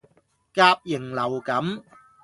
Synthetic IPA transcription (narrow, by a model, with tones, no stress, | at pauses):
kaː˧p̚jɪ˨˩ŋlɐ˨˩wkɐ˨˥m